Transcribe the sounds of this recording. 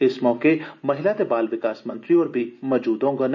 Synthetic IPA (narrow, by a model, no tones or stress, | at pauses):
ɪsmɔːkemɐɦɪlat̪ebaːlʋɪkaːsmə̃nt̪ɾiɔːɾbʱimɔd͡ʒuːd̪õɡɐn